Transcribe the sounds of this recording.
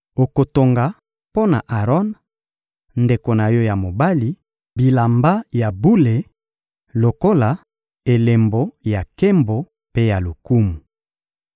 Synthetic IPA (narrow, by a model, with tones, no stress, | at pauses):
o˨ko˨to˨ŋɡa˨ | po˦na˨ʔa˨ʁɔ˦n | nde˨ko˨na˨jɔ˦ja˨mo˨ba˦li˨ | bi˨la˨mba˦ja˨bu˦le˨ | lo˨ko˦la˨ | e˨le˨mbo˨ja˨ke˦mbo˨ | pe˦ja˨lu˨ku˦mu˨